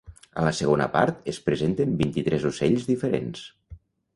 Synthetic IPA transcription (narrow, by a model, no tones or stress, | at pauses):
ə̰ləsəɣ̞onə̰pa̰ɾt̪əspɾəzent̪əmbint̪it̪ɾɛzusɛʎzðifəɾḛns